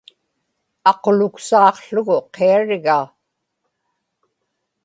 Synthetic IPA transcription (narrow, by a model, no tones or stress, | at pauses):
ɑqolʊksɑːqɬʊɣʊqʰeaɻɪɣaː